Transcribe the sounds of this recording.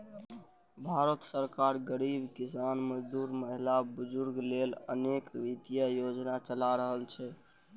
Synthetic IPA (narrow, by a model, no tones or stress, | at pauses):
bʱaɾət̪səɾkaɾɡəɾibkisanməd͡ʒd̪uɾməɦilabʊd͡ʒuɾɡlelə̰nekʋit̪ijəjod͡ʒnat͡ʃəlaɾəɦəlt͡ʃʰɛ